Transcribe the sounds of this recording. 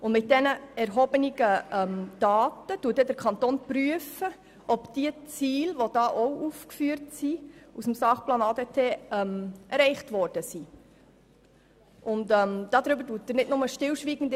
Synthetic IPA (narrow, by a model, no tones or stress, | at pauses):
ʊnmɪt̚d̥ɛnəɛɾɦɔːbəniɡ̥əɛmd̥ɑːtətuət̚d̥ɛdəɾkʰɑntoːnpɾyəfə | ʔɔbd̥iət͡siːlʋod̥ɑːʔɔwʔuːfkfyːəɾtsiusm̩sɑːχplɑːnɑːdetʰeːɛmɛɾɛɪχtʋɔɾd̥əsi | ʔʊntɛmd̥ɑːd̪ɾʏbəɾduːtːəɾnɪdnʊməʃtɪlʃʋiːɡ̥ən̩d